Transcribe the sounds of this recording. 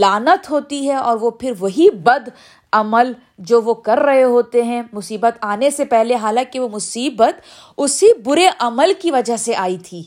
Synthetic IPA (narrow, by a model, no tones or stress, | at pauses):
laːnət̪ɦoːt̪iɦɛɔːɾʋopʰɪɾʋɐɦibɐd̪ | ɐməl | d͡ʒoːʋokɐɾːɐɦeɦoːt̪eɦɛ̃mʊsiːbət̪aːnesepɛɦleɦaːlãːkiʋomʊsiːbət̪ | ʊsibʊɾeʔɐməlkiʋɐd͡ʒəɦseʔaːit̪ʰiː